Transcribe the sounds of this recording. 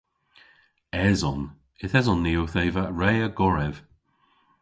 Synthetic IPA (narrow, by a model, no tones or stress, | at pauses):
ɛzɔn | ɪθɛzɔnːiːowθejvəɹɛːəɡɔɹɛv̥